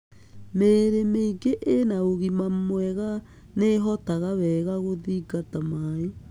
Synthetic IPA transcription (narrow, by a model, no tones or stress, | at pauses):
meːɾemeiɡeʔenaoɣimamoɛɣa | neɦɔtaɣaβɛɣaɣoðiɡatamae